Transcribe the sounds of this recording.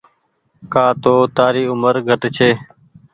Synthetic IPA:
kaːt̪oːt̪aːɾiːʊməɾɡʱəʈt͡ʃʰeː

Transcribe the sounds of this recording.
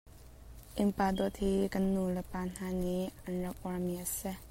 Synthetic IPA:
ʔɪmpaːd̪ɔt̪̚hikɐnːuləpaːn̥aːniɐnrɐk̚ʔɔɹmiʔəsɛ

